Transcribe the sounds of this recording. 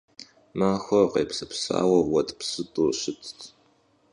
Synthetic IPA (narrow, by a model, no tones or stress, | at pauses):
maːxʷɐqeːpsɐpsaa̰ːwɐwɐtʼpsɨtʼuːɕɪtʰʼtʰ